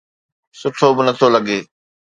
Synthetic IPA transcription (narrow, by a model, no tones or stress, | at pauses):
sʊʈʰobɪnət̪ʰolɐɠeː